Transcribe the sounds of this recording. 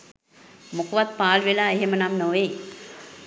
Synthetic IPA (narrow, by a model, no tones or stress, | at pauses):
mokuʋat̪̚paːlʋelaːeɦemənamnoʋe